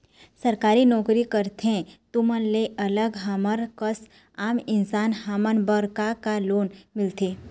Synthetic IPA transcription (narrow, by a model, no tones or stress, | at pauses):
sɐɾkaːɾinɔːkɾikəɾt̪eɛ̃t̪ʊmənleʔɐləɡɦaməɾkəs | aːmɪnsaːnhaːmənbəɾkakaloːnmɪlt̪eː